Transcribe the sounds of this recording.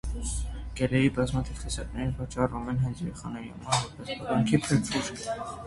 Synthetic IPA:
ɡ̥ɛlɛjibɑzmɑt̪ʰiv̥χisɑt̪nɛɾinvɑt͡ʃɑrvumɛnɦɑjt͡sjɛɾɛχɑnɛihɑ̰mɑɾvɔɾpʰɛsbɔɾɑŋkʰipʰəɾkʰuɾʰ

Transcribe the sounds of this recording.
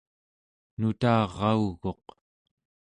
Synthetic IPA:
nut̪ɑːʁɑuɣo̞q

